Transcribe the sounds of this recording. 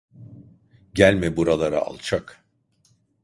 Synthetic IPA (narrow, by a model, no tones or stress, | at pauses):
ɟælʲmɛbuɾalˠaɾa̰a̰lˠt͡ʃʰak